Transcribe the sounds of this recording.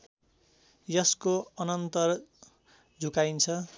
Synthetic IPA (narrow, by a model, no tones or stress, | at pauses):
jʌskoʌnʌnt̪ʌr | d͡zʱukajnt͡sʰʌ